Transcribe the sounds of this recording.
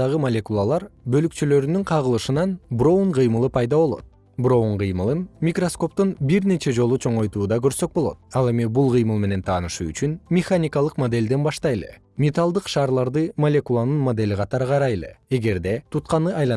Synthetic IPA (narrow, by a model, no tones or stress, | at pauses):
ɑʁɯmolʲe̞kulˠalˠɑɾbø̞lykt͡ʃylø̞ɾynyɴqʰɑʁɯlˠɯʃɯnɑnbro̞uɴqɯjmɯlˠɯpʰɑjd̪ɑβo̞lˠo̞̰t̪̚ | bro̞uɴqɨjmɯlˠɯnmʲikro̞sko̞p̚t̪unbiɾne̞t͡ʃe̞d͡ʒo̞lˠut͡ʃʰo̞ɴo̞jt̪uːd̪ɑkø̞ɾsø̞k̚bo̞lˠo̞̰t̪̚ɑlˠe̞mibulˠqɯjmɯlˠme̞ne̞nt̪ʰɑːnɯʃuy̰t͡ʃynmʲɪχanʲikɑlˠɯqmod̪e̞lʲd̪e̞nbɑʃt̪ɑjlˠɯ̰ | mʲet̪alˠd̪ɯqʃɑːɾlˠɑɾd̪ɯmolʲe̞kulˠanɯnmod̪e̞lʲiqʰɑt̪ɑɾɯqɑɾɑjlˠɯ̰e̞ɡe̞ɾd̪e̞t̪ʰut̪qɑnɯɑjlˠɑ